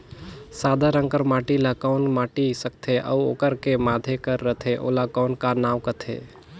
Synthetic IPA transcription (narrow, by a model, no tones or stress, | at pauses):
sad̪ʱəɾə̃ŋkəɾmaʈilakɔʊnmaʈisək̚t̪ʰeʔə̰uo̰kəɾkemad̪ʱekəɾːət̪ʰeʔo̰lakɔʊnkanawkət̪ʰḛ